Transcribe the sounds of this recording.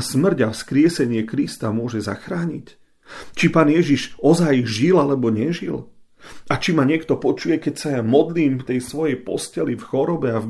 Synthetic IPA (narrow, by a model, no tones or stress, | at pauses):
smr̩ɟafskɾɪɛsɛɲɪɛkɾist̪amʊɔʒɛza̰xɾaːɲic | t͡ʃipaːnjɛʒiʒɔzajʒilalɛbɔɲɛʒil | at͡ʃimaɲɪɛkt̪ɔpɔt͡ʃujɛkɛcsajamɔd̪liːmft̪ɛjsʋɔjɛjpɔ̰scɛlifxɔɾɔbɛav